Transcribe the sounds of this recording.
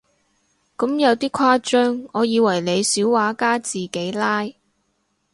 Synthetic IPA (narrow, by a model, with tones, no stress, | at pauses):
kɐ˨˥mjɐ˨˧wt̪iː˥kʷʰwaː˥t͡ʃœː˥ŋɔː˨˧jiː˨˧wɐ˨˩jle˨˧jsiː˨˥wwaː˨˧˥kaː˥t͡siː˨˩ke˨˥jlaː˥j